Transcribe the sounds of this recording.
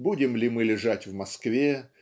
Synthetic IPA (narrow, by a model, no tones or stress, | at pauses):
budʲɪmlʲɪmɨlʲɪʐatʲvmɐskvʲe